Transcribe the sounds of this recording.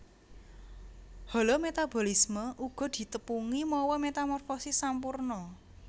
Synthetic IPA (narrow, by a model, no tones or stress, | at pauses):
hɔlɔmet̪abo̤lisməʔuɡ̥ɔ̤d̪̥i̤t̪əpuŋimɔwɔmet̪amɔrfosisampurnɔ